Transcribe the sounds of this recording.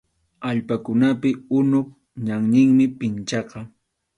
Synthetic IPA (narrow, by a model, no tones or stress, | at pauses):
aʎpakʊnapɪʊnʊχ | ɲaŋɲɪŋmɪpɪnt͡ʃɑqɑ